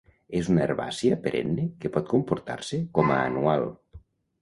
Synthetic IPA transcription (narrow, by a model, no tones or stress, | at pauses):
ezunaeɾβa̰siapeɾʔḛnːekepɔt̪̚kompuɾt̪a̰ɾsekɔmaːnual